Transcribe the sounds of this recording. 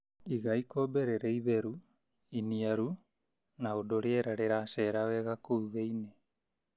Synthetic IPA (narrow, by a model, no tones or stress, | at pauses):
iɣajkobeɾeɾejðeɾu | iniaɾu | naodoɾeeɾaɾeɾaseɾaoeɣakuuβejne